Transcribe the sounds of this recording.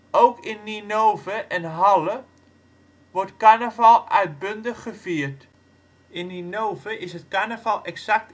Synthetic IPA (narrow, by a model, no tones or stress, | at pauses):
owkɪnːinoːvəʔɛnɦalˠə | ʋɔrtkanəvalˠʔœɥt̚bøndəχːəfiərt | ɪnːinowvəʔɪsɦətkanəvalˠʔɛksak̚t